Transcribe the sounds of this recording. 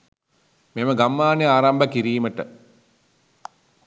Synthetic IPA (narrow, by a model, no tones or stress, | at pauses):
meməɡamːaːnejaːɾɐmbəkiɾiːməʈə